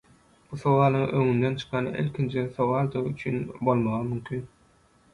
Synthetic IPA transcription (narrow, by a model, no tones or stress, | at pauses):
b̥uθo̞wɑːlˠɯŋøŋynd̪ent͡ʃʰɯ̥qʰɑn̰ʔḭlʲkʰʲint͡ʃʰiθowɑlˠd̪ɯʁyt͡ʃʰynbo̞lˠmɑʁɯmymkʲʰyn